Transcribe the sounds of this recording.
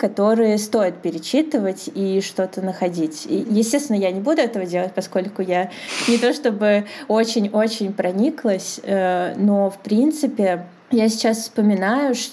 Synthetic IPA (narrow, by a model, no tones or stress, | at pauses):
kɐt̪o̞ɾɨjəst̪o̞jɪt̪̚pʲɪɾʲɪt͡ɕːit̪ɨvətʲiʂt̪o̞t̪ənəxɐdʲitʲijɪsʲtʲest̪ʲɪnəjanʲɪbud̪ʊɛt̪əvədʲelˠət̚ʲpɐsko̞lʲkʊjanʲɪt̪o̞ʂt̪o̞bɨo̞t͡ɕɪnʲo̞t͡ɕɪnʲpɾɐnʲiklˠəsʲəno̞fpɾʲint̪sɨpʲɪ | jasʲɪ̥t͡ɕasfspəmʲɪnajʊʂ